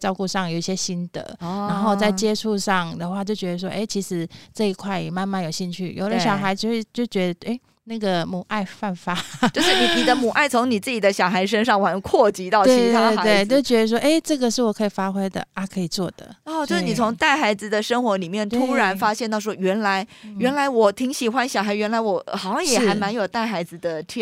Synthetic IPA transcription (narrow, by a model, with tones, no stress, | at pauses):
ʈ͡ʂɑ˥˧ʊku˥˧ʂɑ˥˩ŋjo˨˩ʊi˥˩ɕjɛ˥ɕi˥nd̪̥ə̰˨˦a˧˥nxo˥˧ʊt͡sa˥˩ɪt͡ɕjɛ˥ʈ͡ʂʰu˥˧ʂɑ˥˩ŋd̪ə˨xwa˥˧t͡ɕjo˥˩ʊt͡ɕɥɛ˧˥ə˧ʂwɔ˥ʔe˥˩ɪt͡ɕʰi˧˥ʂɻ̩˧˥ʈ͡ʂɤ˥˧i˧˥kʰwa˥˩ɪjɛ˨˩ma˥˧nma˥˩njo˨˩ʊɕi˥˧nt͡ɕʰy̰˥˩jo̰˨˩ʊlə˦ɕjɑ˨ʊxa˧˥ɪt͡ɕo˥˧wt͡ɕjo˥˩ʊt͡ɕɥɛ˧˦˥d̪ə˧e˥˩ɪ | na˥˩ɡə˩mu˨˩ʔa˥˧ɪfa˥˩nfa˦˥t͡ɕo˥˧ʊʂɻ̩˥˩ni˨˩ni˨˩d̪ə˦mu˨˩ʔa˥˩ɪt͡sʰʊ˧˥ŋni˨˩t͡sɹ̩˥˩t͡ɕi˨˩d̪ə˦ɕjɑ˨˩xa˧˥ɪʂ̬ə˥nʂɑ˥˩ŋwa˧˥nkʰwɔ˥˩t͡ɕi˧˥t̪ɑ˥˩ʊt̪wt͡ɕʰi˧˥tʰae˥˧we˥˩ɪt͡ɕjo˥˩ʊt͡ɕɥɛ˧˥d̪ə˧ʂ̬wɔ˥ʔe˥ɪʈ͡ʂɤ˥˩ɡə˨ʂɻ̩˥˩wɔ˨˩kʰɤ˧˥i˨˩fa˥xwe˥ɪd̪ə̰˨a˥˩kʰɤ˧˥i˨˩t͡swɔ˥˩d̪̥ə̰˩ɔ˥˧t͡ɕjʂ̩ni˨˩t͡sʰʊ˧˥ŋt̪a˥˩ɪxa˧˥ɪd͡zɹ̩˨d̪ə˨ʂə˥ŋxwɔ˧˥li˨˩mjɛ˥˩nt̪t̪ʰu˥ɻa˧˥nfa˥ɕjɛ˥˧nt̪ɑ˥˩ʊʂwɔ˥ɥɛ˧˥nla˧˥ɪɥɛ˧˥nla˧˥ɪwɔ˨˩t̪ʰi˧˥ŋɕi˨˩xwa˧˥nɕjɑ˨˩ʊxa˧˥ɪɥɛ˧˥nla˧˥ɪwɔ˨˩˦xɑ˨˩ʊɕjɑ˥˩ŋjɛ˨˩˥a˧˥ɪma˧˥njo˨˩ʊt̪a˥˩ɪxa˧˥ɪd͡zɹ̩˧d̪ə˨t̪ʰɛ˥